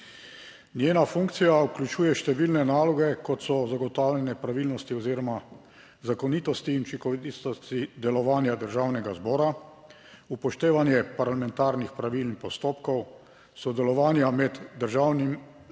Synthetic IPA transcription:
njeːnafũŋkt̪sijauklʲut͡ʃuːjɛʃt̪ɛʋilnɛnaːlɔɡɛkɔt̪sɔzaɡɔt̪aːwljɛnɛpɾaʋiːlnɔst̪iɔziːɾɔma | zakɔnit̪ɔst̪iːnt͡ʃikɔʋid̪ist̪ɔst̪id̪ɛlɔʋaːnjad̪əɾʒaːwnɛɡazbɔːɾa | upɔʃt̪eːʋanjɛpaɾlamɛ̃nt̪aːɾnixpɾaʋilnixpɔst̪oːpkɔw | sɔd̪ɛlɔʋaːnjamɛd̪ːəɾʒaːwnim

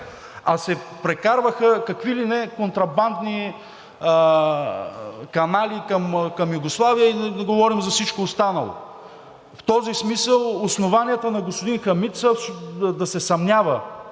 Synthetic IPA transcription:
ɐsɛpɾɛkaɾvəxəkɐkvilinɛkont̪ɾɐband̪ni | kɐnalikɐmkɐmjuɡoslˠavijəid̪ɡovɔɾimzɐfsit͡ʃkoːst̪anɐ̰lˠo̰ | ft̪ɔzismisəlˠosnovanʲiɛt̪ənɐɡospʊd̪inxɐmit̪səd̪ɐsɛsɐmnʲavə

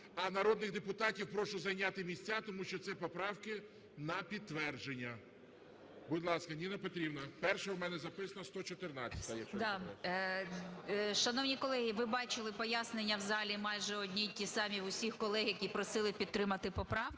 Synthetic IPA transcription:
ɐnɐɾɔd̪nɪɣd̪epʊt̪ɑtʲiwpɾɔʃʊzɐjnʲat̪ɪmʲisʲt͡sʲːat̪ɔmuʃt͡ʃɔt̪sɛpɔpɾɑwkɪ | nɐpʲid̪̚t̪ːʋɛrd͡ʒenʲːɐ | bʊd̪ʲlˠɑskɐnʲinɐpɔt̪ɾʲibnɐpɛrʃɛwmɛnɛzɐpɪsɐnɐst̪ɔt͡ʃɔt̪ɪrnɑt͡sʲːɐ̥t̪ɐjɛd̪ɑ | ʃɐnɔwnʲikɔlˠɛɦʲiʋɪbɑt͡ʃɪlˠɪpɔjasnenʲːɐwzɑlʲimɑjʒɛɔdʲnʲitʲisɑmʲiʊsʲixkɔlˠɛɦjɐkʲipɾɔsɪlˠɪpʲid̪̚t̪ɾɪmɐt̪ɪpɔpɾɑwk

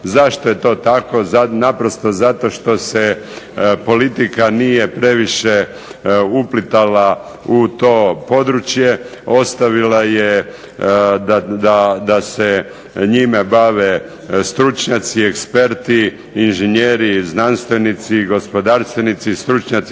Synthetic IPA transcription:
zaʃt̪o̞je̞t̪o̞ːt̪ako̞zanapɾo̞st̪o̞zat̪o̞ʃt̪o̞se | po̞lit̪ikanije̞pɾe̞ʋiʃe | uplit̪ala | ut̪o̞ːpo̞d̪ɾut͡ʃje | o̞st̪aʋilaje | d̪ad̪ad̪ase | ɲimebaʋe | st̪ɾut͡ʃɲat̪siekspe̞ɾt̪i | inʒeɲeːɾiznanst̪ojnit̪siɡo̞spo̞d̪aɾst̪ʋenit̪sist̪ɾut͡ʃɲat̪s

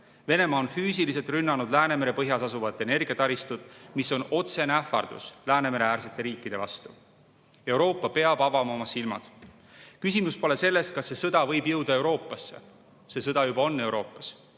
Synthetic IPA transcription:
ve̞ne̞mɑːonfyːsilis̬e̞lt̪rynːɑnud̪læːne̞me̞ɾe̞pɤɦjɑsɑsuvɑt̪ːˑe̞ne̞rɡ̥iɑt̪ɑɾist̪ud̪̥miso̞no̞t̪se̞neæfɑ̰rd̪̥ṵslæːne̞me̞ɾe̞æːrset̪ːˑe̞ɾiːkːˑid̪̥e̞vɑst̪u | e̞wɾo̞ːpːˑɑpe̞ɑb̥ɑvɑmɑo̞mɑsilmɑ̰d̪̥ | kysʲimuspo̞le̞se̞lːe̞st̪̚kɑsːe̞sɤd̪̥ɑvɤ̞jbjɤwd̪̥ɑe̞wɾo̞ːpːˑɑsːe | se̞s̬ɤd̪̥ɑjubɑo̞nːe̞uwɾo̞ːpːˑɑs

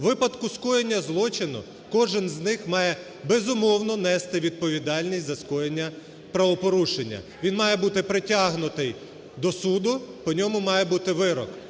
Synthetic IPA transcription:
ʋɪpɐd̪kʊskɔjenʲːɐzlˠɔt͡ʃɪnʊ̰ | kɔʒɪnznɪxmɑjɛ | bezʊmɔwnɔnɛst̪ɪʋʲid̪̚pɔʋʲid̪ɑlʲnʲisʲtʲzɐskɔjenʲːɐ | pɾɐʋɔpɔɾuʃenʲːɐ̰ʋʲinmɑjɛbut̪ɪpɾɪtʲaɦnʊt̪ɪj | d̪ɔsud̪ʊpɔnʲɔmʊmɑjɛbut̪ɪʋɪɾɔ̰k

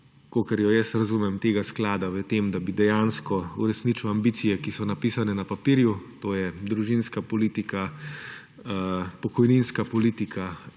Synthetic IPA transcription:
koːkəɾjɔjɛsɾɐzumɛmt̪eːɡasklaːd̪aʋət̪emd̪abid̪ɛjaːnskɔṵɾɛsnit͡ʃuwambiːt̪sijɛkisɔnapiːsanɛnɐpapiːɾjut̪oːjɛd̪ɾuʒinskapɔliːt̪ika | pɔkɔjninskapɔliːt̪ikʰa

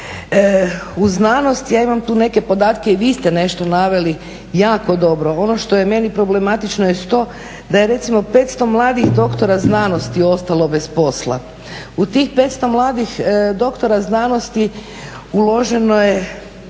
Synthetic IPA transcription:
uznano̞st̪jaːimamt̪uːne̞ke̞po̞d̪aːt̪keiʋiːst̪e̞ne̞ʃt̪o̞naʋe̞li | jaːko̞d̪o̞bɾo̞o̞no̞ʃt̪o̞je̞me̞nipɾo̞ble̞mat̪it͡ʃnojesu̥t̪o̞ː | d̪aje̞ɾe̞t̪simo̞pe̞t̪st̪o̞mlˠaːd̪ixd̪o̞kt̪o̞ɾaznaːno̞st̪io̞st̪alˠo̞be̞spo̞slˠa̰ | ut̪iːxpe̞t̪st̪o̞mlˠaːd̪ixd̪o̞kt̪o̞ɾaznaːno̞st̪i | ulo̞ʒe̞noje̞

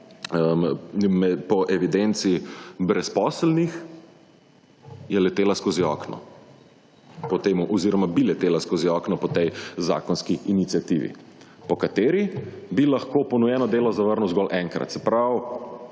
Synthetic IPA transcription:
əmmɛpɔʔɛʋid̪ɛnt̪sibɾɛspɔːslnix | jɛlɛt̪eːlaskoːziɔːknɔ̰ | pɔt̪eːmuʔɔziːɾɔmabilɛt̪eːlaskoziɔːknɔpɔt̪ɛjza̰ːkɔnskiinit̪siat̪ḭːʋḭ | pɔkat̪eːɾibilaxkopɔnujɛnɔd̪eːlɔzaʋəɾnuwzɡɔːlʔɛŋkɾa̰t̪sɛpɾaw

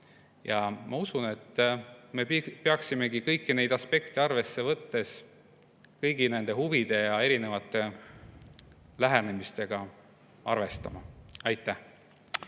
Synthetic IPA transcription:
jɑmʔɑusune̞t̪ːme̞peɑksime̞ɡ̥ikɤjkːine̞jd̪ɑspe̞kt̪e̞ɑrve̞sːe̞vɤt̪ːe̞s | kɤjɡine̞nd̪e̞ɦuvid̪̥e̞jɑe̞ɾine̞vɑt̪ˑːe̞ | læɦænemist̪e̞ɡ̥ɑ | ɑ̰rve̞st̪ɑ̰mɑ̰ɑjt̪ːˑæh

